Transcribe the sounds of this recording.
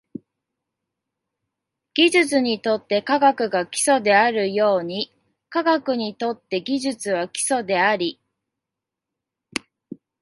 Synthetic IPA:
ɡ̥ʲiʑɨt͡sɨɲ̟it̪o̞t̪ːe̞kaɡakɯ̟ɡakʲi̥so̞d̪e̞aɾɯ̟jo̞ːɲ̟i | kaɡakɯ̟ɲ̟it̪o̞t̪ːe̞ɡʲiʑɨt͡sɨβakʲi̥so̞d̪e̞aɾʲi

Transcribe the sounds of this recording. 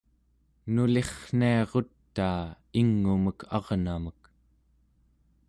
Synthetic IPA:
nule̞χn̥iɑʁo̞t̪ːaː | iŋːuməkʰɑ̰ʁnamək

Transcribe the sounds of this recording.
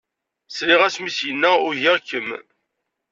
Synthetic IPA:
sliʁæsmisjənːæʊɾʝæʁkːəm

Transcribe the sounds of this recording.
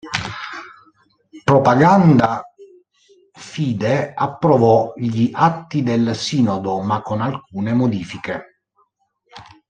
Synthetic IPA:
pɾopaɡand̪a | fiːd̪eapːɾɔvɔʎiʔat̪ːid̪elsiːnɔd̪omakːonalkuːnemod̪iːfike

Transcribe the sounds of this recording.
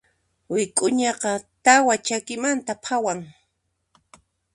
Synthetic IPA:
wɪkʼʊɲɑqɑt̪awat͡ʃakɪmant̪apʰawaŋ

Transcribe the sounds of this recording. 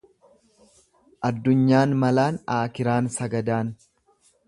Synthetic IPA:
ʔɐd̪ːʊɲːaːnmɐlaːnaːkɪɾaːnsɐɡɐd̪aːn

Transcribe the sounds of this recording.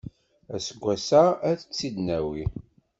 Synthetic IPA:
æsəɡʷːæsaæθə̥t͡sːid̪næwi

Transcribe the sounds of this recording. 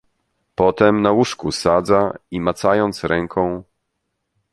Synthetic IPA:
pɔt̪ɛmnawuʂkusad̪zaimat̪sajɔnt̪sɾɛŋkʰɔ̃w̃

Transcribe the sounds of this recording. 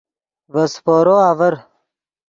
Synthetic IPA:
vɐspoːɾoːaːvɐɾ

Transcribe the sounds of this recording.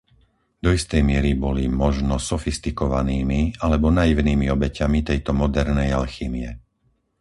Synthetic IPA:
d̪ɔist̪ɛjmɪɛɾibɔlimɔʒnɔsɔfist̪ikɔʋa̰niːmialɛbɔnajiʋniːmiɔbɛcamit̪ɛjt̪ɔmɔd̪ɛɾnɛjalxiːmiɛ

